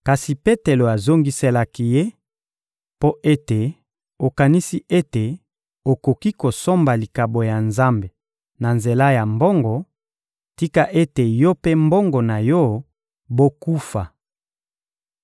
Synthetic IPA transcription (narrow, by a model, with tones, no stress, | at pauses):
ka˨si˨pe˦te˨lo˨a˨zo˦ŋɡi˦se˦la˦ki˦je˦ | po˦ʔe˦te˨ | o˨ka˨ni˦si˦ʔe˦te˨ | o˨ko˨ki˦ko˨so˦mba˨li˨ka˨bo˨ja˨nza˦mbe˨ | na˨nze˨la˦ja˨mbo˦ŋɡɔ˨ | ti˦ka˦ʔe˦te˨jɔ˦pe˦mbo˦ŋɡo˨na˨jɔ˦ | bo˦ku˦fa˨